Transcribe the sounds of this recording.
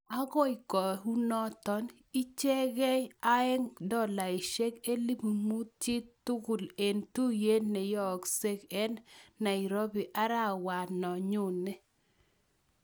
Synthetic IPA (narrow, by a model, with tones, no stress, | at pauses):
a˦ɣɔ˦i˨kɔ˨ɦu˦nɔ˦tɔ˦n | i˦t͡ʃe˦ɣɛ˦a˦ɛ˦ŋdɔ˦˨la˨i˨ʃe˦ke˦li˦pmu˦t͡ʃɪ˦tu˦ku˨le˨ntu˦je˦nne˨jɔ˦˨kse˦kɛ˦nːa˨i˨ɾo˦bi˨ʔa˦ɾa˦˨wa˨nɔ˨ɲʊ˦˨ne˦